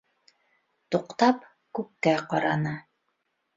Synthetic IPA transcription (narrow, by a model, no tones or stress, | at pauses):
t̪uqt̪ɑp | kʉp̚kæqɑɾɑnɤ